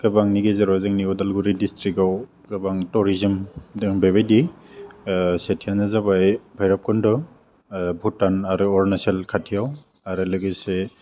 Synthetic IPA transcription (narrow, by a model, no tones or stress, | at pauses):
ɡ̥ɯbaŋniɡezeɾɔzɯŋniɔdalɡuɾidistɾikaw | ɡɯbaŋtɔɾizɯmdɯŋbeβajdi | setʰijanazabajbʱajɾap̚kɔndɔ | bʱutanaɾɯɔɾnaselkʰatʰijaw | aɾɯlɯɡɯjse